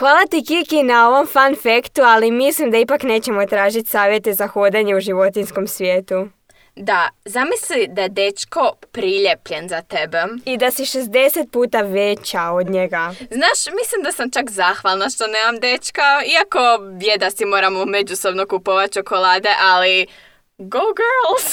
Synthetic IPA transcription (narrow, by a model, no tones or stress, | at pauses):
xʋaːlat̪ikikinao̞ʋo̞mfanfekt̪ualimislimd̪aipakne̞ːt͡ɕe̞mo̞t̪ɾaːʒit̪ʲsaːʋje̞t̪e̞zaxod̪eɲe̞uʒiʋo̞t̪insko̞msʋje̞ːt̪u | d̪azamislid̪aed̪e̞t͡ʃko̞pɾiʎe̞pʎenzat̪ebeid̪asiʃe̞zd̪e̞se̞t̪̚puːt̪aʋe̞t͡ɕao̞d̪ɲeɡaznaːʃmislimd̪asamt͡ʃakzaːxʋalˠnaʃt̪o̞neːmamd̪e̞t͡ʃkaiako̞bjed̪asimo̞ːɾamome̞d͡ʒuso̞bno̞kupoʋat̪̚t͡ʃo̞ko̞laːd̪e̞ʔali | ɡoɡølˠ